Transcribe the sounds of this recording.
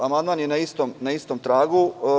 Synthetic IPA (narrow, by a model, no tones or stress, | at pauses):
amand̪maːnjenaist̪omnaist̪oːmt̪ɾaːɡu